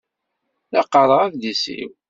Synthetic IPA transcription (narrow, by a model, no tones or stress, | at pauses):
lɑqːəɾˤəʁækðisḭw